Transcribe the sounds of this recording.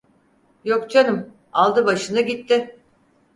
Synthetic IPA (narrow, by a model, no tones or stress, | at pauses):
jokt͡ʃʰanɯm | alˠd̪ɯbaʃɯnaɟit̪ʰːɪ